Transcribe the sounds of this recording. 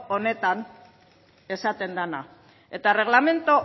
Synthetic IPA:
one̞t̪an | e̞sat̪e̞nd̪ana | e̞t̪are̞ɣ̞lame̞nt̪o

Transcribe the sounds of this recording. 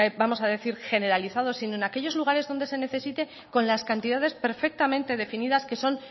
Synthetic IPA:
bamo̞saðe̞θiɾxe̞ne̞ɾaliθað̞o̞sino̞enake̞ʎo̞zluɣ̞aɾe̞zðo̞nd̪e̞se̞ne̞θe̞sit̪e̞ | ko̞nlaskant̪iðað̞e̞spe̞ɾfe̞k̚t̪amẽnt̪e̞ð̞e̞finiðaske̞so̞n

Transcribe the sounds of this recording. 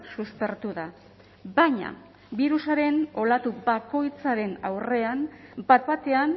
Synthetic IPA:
suspe̞ɾt̪uða | baɲa̰ | biɾusaɾe̞no̞lat̪ubako̞jt͡saɾe̞na̰wre̞ambat̪bat̪e̞an

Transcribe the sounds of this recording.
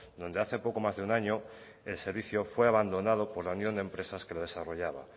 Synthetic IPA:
d̪ond̪e̞aθe̞po̞ko̞mazðeunaɲo | e̞lse̞ɾβ̞iθjo̞fwe̞aβand̪o̞nað̞opo̞ɾlaunjond̪empɾe̞saske̞loð̞e̞saro̞ʝaβa

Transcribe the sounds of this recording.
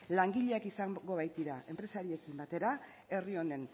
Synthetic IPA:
laŋɡiʎeakisaŋɡo̞β̞ajt̪iɾaʔe̞mpɾe̞saɾie̞kimbat̪e̞ɾa | e̞rio̞ne̞n

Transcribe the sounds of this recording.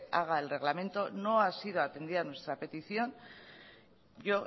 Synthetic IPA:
aɣ̞ae̞lre̞ɣlamẽ̞nt̪o̞no̞asið̞o̞at̪e̞nd̪iðanwe̞st̪ɾape̞t̪iθjo̞n | ʝo̞

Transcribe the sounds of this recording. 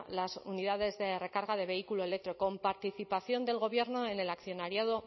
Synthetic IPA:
lasuniðaðe̞zðe̞re̞kaɾɣað̞e̞β̞e̞ikuloe̞lek̚t̪ɾiko̞mpaɾt̪iθipaθjo̞nd̪e̞lɣo̞βje̞ɾno̞ene̞lakθjo̞naɾjaðo̞

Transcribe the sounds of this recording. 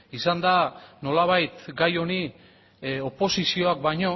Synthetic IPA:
isand̪ano̞laβ̞ajt̪ɡajo̞ni | o̞po̞sisio̞ak̚baɲo̞

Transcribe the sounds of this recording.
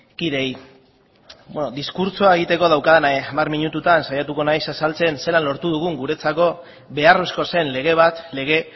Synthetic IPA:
kiðe̞j | benoðiskuɾt͡so̞ae̞ɣit̪e̞ko̞ð̞awkaðnaamarmiɲut̪ut̪ansajat̪uko̞najsasalt͡se̞nse̞lanlo̞ɾt̪uð̞uɣ̞uŋɡuɾe̞t͡sako̞ | βe̞aro̞sko̞se̞nle̞ɣ̞e̞β̞at̪le̞ɣ̞e̞

